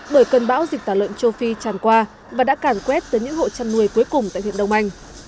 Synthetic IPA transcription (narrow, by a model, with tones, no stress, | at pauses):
ɓəː˧˩jkə˧nɓa̰ː˧˥wzi˨˩k̚t̪aː˧˩lwə̰˧˨nt͡ɕo˧fi˧t͡ɕaː˨˩nkwaː˧ | vaː˨˩ɗa̰ː˧˥kaː˧˩nkwɛ˦˥t̚t̪əː˨˦jɲɨ̰˧˥ŋho̰˧˨t͡ɕa˧nːu˧˩əjku˨˦jkʊ˨˩ŋ͡mt̪a̰˧˨hḭ˧˨ənɗə˧wŋ͡mʔa˧jŋ̟